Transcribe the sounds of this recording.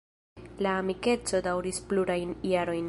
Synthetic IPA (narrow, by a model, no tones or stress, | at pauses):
laːmike̞t͡so̞dawɾispluɾajnjaɾo̞jn